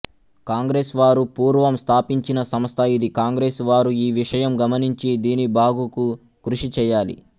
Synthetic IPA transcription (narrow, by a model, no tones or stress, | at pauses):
kaːŋɡɾe̞ːsʋaːɾupuːɾʋɐmst̪ʰaːpiɲt͡ʃinɐsɐmɐst̪ʰɐid̪ikaːŋɡɾe̞ːsʋaːɾuiːʋiʂɐjɐmɡɐmɐniɲt͡ʃid̪iːnibaːɡuku | kɾuʂit͡ʃɛːjaːlḭ